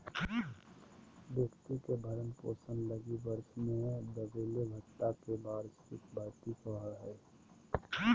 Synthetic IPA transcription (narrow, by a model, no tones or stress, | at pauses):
bjəkt̪ikebʱəɾənpo̰ːsənləɡibəɾʃmẽd̪əbeːlebʱət̪ːakebaːɾstɪk̪bʱaɾt̪ikɔɦəɦɛː